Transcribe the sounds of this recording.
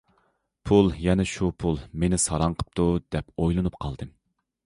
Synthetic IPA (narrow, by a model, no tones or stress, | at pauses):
pʰulˠjɛnɛʃupʰulˠmenɪsɑɾɑɴqʰə̥p̚t̪ʰud̪ɛpojlˠɨnup̚qʰɑlˠd̪ɨ